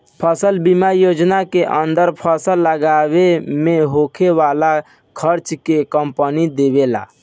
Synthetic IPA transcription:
pʰəsəlbimajod͡ʒnakeʔənd̪əɾpʰəsəlːəɡaβemeɦokʰeʋala | kʰəɾt͡ʃkekəmpənid̪ebela̰

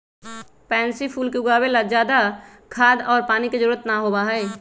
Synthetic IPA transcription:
pɛ̃ːnsipʰuːlkeʊɡaːwelad͡ʒaːd̪a | kʰaːd̪ɔːɾpaːniked͡ʒəɾuːɾət̪naɦoːbaɦɛː

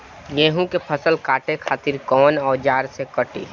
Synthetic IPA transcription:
jeːɦũkepʰəsəlkaːʈekʰaːt̪ɪɾkɔːnɔːɾd͡ʒaːɾsekəʈḭː

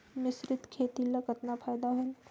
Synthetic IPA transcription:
mɪsɾɪt̪kʰeːt̪iləkət̪napʰajd̪aɦʊl

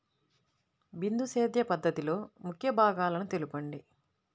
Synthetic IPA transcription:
bind̪useːd̪jɐpɐd̪ːɐt̪ilo̞ːmukʰjɐbʱaːɡaːlɐnut̪e̞lupɐɳɖi

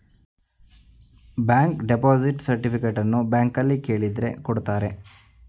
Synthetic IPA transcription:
baːŋkɖepoːziʈsɐɾʈipikeʈːɐnːubaːŋkɐlːike̞ːɭid̪ɾe̞̰koɽut̪ːaːɾe̞

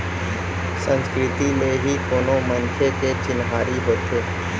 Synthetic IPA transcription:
sə̃nskɾɪt̪imeɦikoːnomə̃nkʰeket͡ʃɪnɦaːɾiɦoːt̪eː

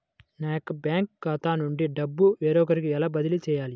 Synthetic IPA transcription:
naːjkːɐbjaːŋkɡat̪aːnuɳɖiɖɐbːuʋeːɾɔːkɐɾikiɛlaːbɐd̪ilit͡ʃɛːjaːli

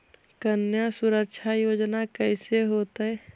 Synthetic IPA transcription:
kənjasuɾəkʃʰajod͡ʒnakəɪseɦot̪əɛ

